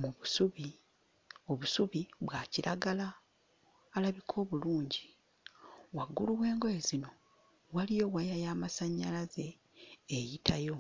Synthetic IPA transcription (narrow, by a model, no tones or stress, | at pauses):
muβusuβi | o̞βusuβiβwaːciɾʔaɡalaː | laβikʰo̞ːβuluːɲɟi | waɡːuluwe̞ːŋɡo̞ezino̞ | walijo̞wajajaːmasaɲːalaze̞ː | jitʰajo̞